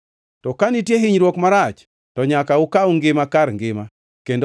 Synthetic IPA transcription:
tɔkanitjeɦɪɲɾwokmaɾat͡ʃ | tɔɲakaʊkauŋɡɪmakaɾŋɡɪma | kendo

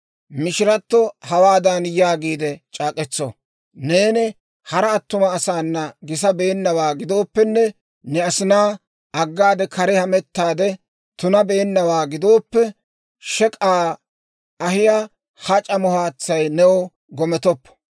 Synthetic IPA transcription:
mɪʃɪɾɐt̪ːɔhɐwaːd̪ɐnjaːɡiːd̪ɛt͡ʃʼaːkʼɛt͡sːɔ̰ | ne̞ːnɪ | hɐɾɐːt̪ːʊmɐːsaːnːɐɡɪs̬ɐbe̞ːnːɐwaːɡɪd̪o̞ːpːɛnːɛ | nɛɐsɪnaː | ɐɡːaːd̪ɛkʰɐɾɛhɐmɛt̪ːaːd̪ɛ | t̪ʊnɐbe̞ːnːɐwaːɡɪd̪o̞ːpːɛ | ʃɛkʼaː | ɐhɪja | hɐt͡ʃʼɐmɔhaːt͡sːɐjnɛwɔ | ɡɔmɛt̪ɔpːɔ̥

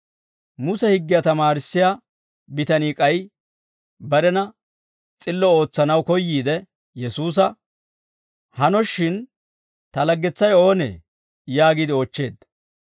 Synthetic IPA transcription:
mʊsɛhɪɡːɪjat̪ɐmaːɾɪsːɪjaː | bɪt̪ɐniːkʼɐj | bɐɾɛnɐ | t͡sʼɪlːɔo̞ːt͡sːɐnɐwkɔjːiːd̪ɛ | jɛsuːs̬ɐ | hɐnɔʃːɪn | t̪ɐlɐɡːɛt͡sːɐjo̞ːnḛː | jaːɡid̪ɪoːt͡ʃːe̞ːd̪

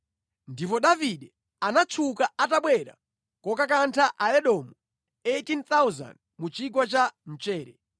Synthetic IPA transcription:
ndipɔɗaviɗɛ | anat͡ʃʰukaataɓwɛɾa̰ | kɔkak̬antʰaʔaɛɗɔːmɔ | etint̪awza̰nd | mut͡ʃik̬wat͡ʃan̩t͡ʃɛːɾɛ

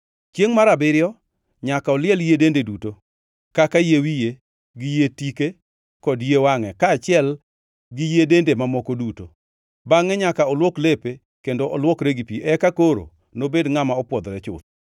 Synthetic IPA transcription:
t͡ʃjeŋmaɾabɪɾjɔ | ɲakaɔlɪɛljedendeduto | kakajewije | ɡɪjetike | kɔdjewaŋɛkaːt͡ʃɪɛl | ɡijedendemamɔkoduto | baŋɛɲakaɔlwɔklepe | kendoɔlwɔkɾeɡipiʔɛkakoɾo̰ | nobedŋamaɔpwɔd̪ɾɛt͡ʃʊ̰t̪̚

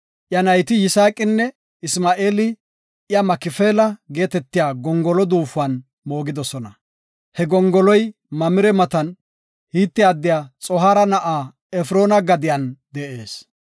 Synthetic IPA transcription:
ʔjɐnɐjt̪ɪjɪsaːkʼːɪnːɛ | ɪsmaːʔeːlɪ | jɐmɐkɪfeːlɐɡe̞ːt̪ɛt̪ːɪjaːɡɔŋɡɔlɔd̪uːfʊɐn | mo̞ːɡɪd̪ɔsɔnɐ | hɛɡɔŋɡɔlɔj | mɐmɪɾɛmɐt̪ɐn | hiːt̪ːɪjaːd̪ːɪjaːt͡sʼɔɦaːɾɐnɐʔaː | ɛfɾo̞ːnɐɡɐd̪ɪjɐnd̪ɛʔe̞ːs

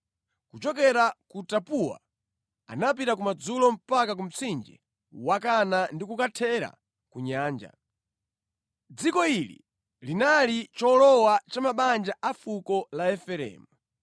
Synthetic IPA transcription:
kut͡ʃɔk̬ɛɾakutapuwa̰ | a̰nap̬itakumad͡zulɔm̩pakak̬um̩t͡sʰind͡ʒɛ̰ | wakanandikukatʰɛɾa̰ | kuɲaːnd͡ʒa̰ | d͡zikɔilḭ | linalit͡ʃɔlɔwat͡ʃamaɓand͡ʒaʔafukɔlaɛfɛɾɛ̰ːmu

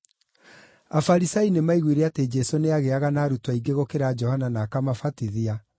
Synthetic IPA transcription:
afaɾisainemaiɣwiɾeated͡ʒɛsoneaɣeaɣanaːɾutwaiɡeɣokeɾad͡ʒɔhananaːkamafatiðia

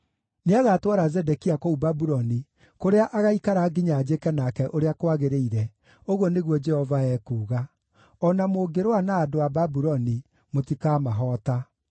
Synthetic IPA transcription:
neaɣaːtwaɾazɛdɛkiakoubabuɾɔni | koɾeaʔaɣaikaɾaːɡiɲaːd͡ʒekɛnakɛʔoɾeakwaɣeɾeiɾɛ | oɣwɔneɣwɔd͡ʒɛhɔvaɛːkuːɣa | ɔnamoɡeɾwanaːdoababuɾɔni | motikaːmaɦɔːta

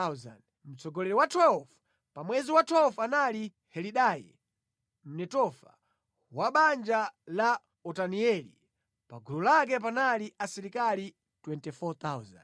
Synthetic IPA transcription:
azan | m̩t͡sɔɡɔlɛɾɛwatʰwɛlv | pamwɛziwatʰwɛlvanali | hɛliɗajḭ | m̩nɛtɔfa̰ | waɓand͡ʒala | ɔtaniɛlḭ | paɡulɔlak̬ɛp̬analiʔasɛɾikali | twɛntɛfɔt̪awza̰n

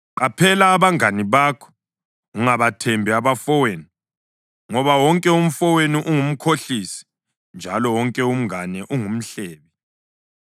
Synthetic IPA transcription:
ǃapʰɛlaːβaŋaniβaːkʰɔ̥ | uŋaβatʰɛmbʱiaβafɔweni | ŋɔβawɔŋkʼɛum̩fɔweniʔuŋum̩kʰoɬisi̥ | nd͡ʒʱalɔwɔŋkʼɛum̩ŋanɛʔuŋum̩ɬɛːβɛ

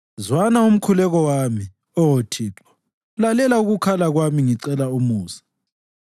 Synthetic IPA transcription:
zwanaum̩kʰulɛɣɔwami | ɔotʰiːǁɔ̥ | lalɛlauɣukʰalaɣwamiŋiǀɛlaumuːsḁ

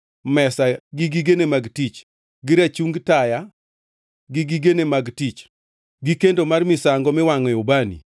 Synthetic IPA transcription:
mɛsaɡɪɡiɡenemaɡtit͡ʃ | ɡɪɾat͡ʃuŋɡtaja | ɡɪɡiɡenemaɡtit͡ʃ | ɡikendomarmɪsaŋɡɔmɪwaŋɔjɔbanḭ

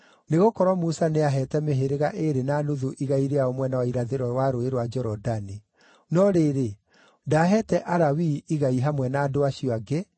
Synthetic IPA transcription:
neɣokɔɾwɔmusaneaɦɛtɛmeɦeɾeɣaʔeɾenanuðuʔiɣaiɾeaomwɛnawaiɾaðeɾɔwaɾoeɾwad͡ʒɛɾɔdani | nɔɾeɾe | daːɦɛtɛʔaɾawiiɣaiɦamwɛnaːdoaʃiɔaɡe

